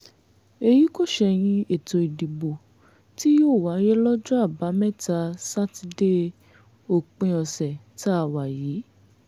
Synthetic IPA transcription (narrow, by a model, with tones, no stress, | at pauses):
e˧ji˨˦ko˦˨ʃɛ˧j̃ĩ˧e˨to˧i˨di˨bo˨ | ti˦joː˦˨wa˨˦ɾɛ˦lɔ˦d͡ʒɔ˦a˦˨ba˨˦mɛ̃˦˨ta˧sa˦ti˧de˦ | o˦˨k͡pĩ˧ɔ˧sɛ˨ | ta˦a˦˨wa˨jiː˨˦